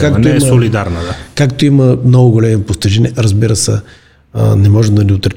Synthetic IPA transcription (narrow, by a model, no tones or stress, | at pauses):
kakt̪oimsolid̪aɾnəd̪akakt̪oimɐmnɔɡʊɡolɛmɛpoft̪ɛʒɛnʲɛɾɐzbiɾəsɛ̰ | nɛmɔʒɛmd̪ɐlʲiot̪ɾɛ